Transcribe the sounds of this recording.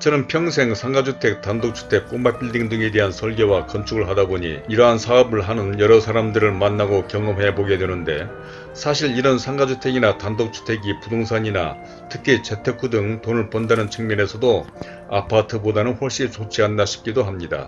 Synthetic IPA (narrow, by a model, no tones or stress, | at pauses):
t͡ɕʌnɯnpʰjʌŋs̬ʰe̞ŋsʰaŋɡad͡ʑutʰe̞k̚tandok̚t͡ɕʰu̥tʰe̞k̚p͈omap͈ʰiɭdiŋdɯŋe̞de̞ɦansʰʌɭɡe̞wakʌnt͡ɕʰuɡɯɭɦadaboɲḭiɾʌɦansʰaʌbɯɭɦanɯnjʌɾʌsʰaɾamdɯɾɯɭmanːaɡokjʌŋɯmɦe̞boɡedwenɯnde̞̰ | sʰaɕʰiɭiɾʌnsʰaŋɡad͡ʑʰutʰe̞ɡinatandok̚t͡ɕʰu̥tʰe̞ɡipudoŋsʰaɲina̰ | tʰɯkʰit͡ɕe̞tʰe̞kʰudɯŋtonɯɭpondanɯnt͡ɕʰɯŋmjʌne̞sʰʌdo | apʰatʰɯbodanɯnɸoɭɕ͈it͡ɕot͡ɕʰianːaɕʰi̥p̚k͈idoɦamɲida̰